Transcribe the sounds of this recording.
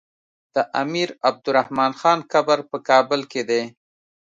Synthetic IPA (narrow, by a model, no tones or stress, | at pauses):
d̪̥əʔamiɾab̚d̪ʊɾahmɑːnxɑnkabaɾpəkɑːbəlked̪e